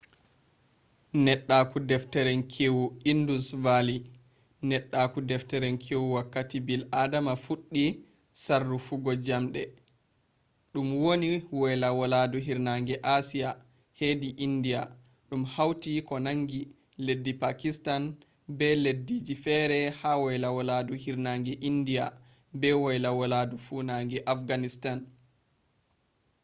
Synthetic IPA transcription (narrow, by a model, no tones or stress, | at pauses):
nɛɗːakudɛftɛɾɛnkʰewuindusvali | nɛɗːakudɛftɛɾɛnkʰewwakːatibiladamafuɗːi | sarːufuɡɔd͡ʒamɗɛ | ɗumwoniwɔlawaladuɦiɾnaŋɡɛʔasija | hediʔindija | ɗumhawtikɔnaŋɡi | ledːipakistan | bɛledːid͡ʒifɛɾɛhawɔjlawɔladuhiɾnaŋɡɛʔindia | bɛwɔjlawɔladufunaŋɡɛʔafɡanistan